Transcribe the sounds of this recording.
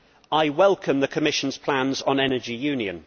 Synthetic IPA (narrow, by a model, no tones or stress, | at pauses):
aɪwɛlˠkʰə̃mðəkʰəmɪʃə̃nz̥pʰl̥ãnzn̩ɛnəd͡ʒɪjʉːnjə̰̃n